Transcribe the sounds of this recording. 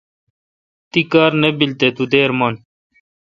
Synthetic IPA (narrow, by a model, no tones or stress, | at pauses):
t̪ikaːɾnebilt̪et̪ud̪eːɾmɐn